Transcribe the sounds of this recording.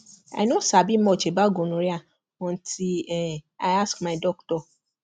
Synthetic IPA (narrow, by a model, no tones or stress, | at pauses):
a̰ɪnosabim̩ɔt͡ʃebaɡonũɾia | ɔ̃n̩tʰiɛaɪaskmaɪdɔktɔ